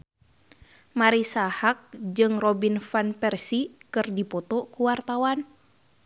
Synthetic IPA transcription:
maɾisahak̚d͡ʒɨŋrɔbinfanpɛrsikɨrdipɔt̪ɔkuwart̪awan

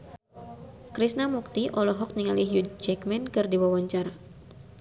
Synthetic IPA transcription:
kɾisnamuk̚t̪iʔɔlɔɦɔk̚niŋaliɦjud͡ʒɛkmɛnkɨrdiwawaɲt͡ʃaɾa

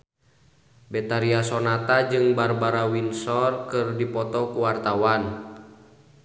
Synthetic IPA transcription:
bɛt̪aɾiasɔnat̪ad͡ʒɨŋbarbaɾawinsɔrkɨrdipɔt̪ɔkuwart̪awan

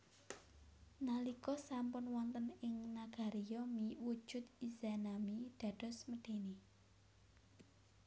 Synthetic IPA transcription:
nalikɔsampʊnwɔnt̪ənɪŋnaɡ̥a̤ɾijɔmiwud̥ʒ̥ʊ̤t̪̚izanamid̪̥a̤d̥ɔ̤sməɖ̪̥e̤ni

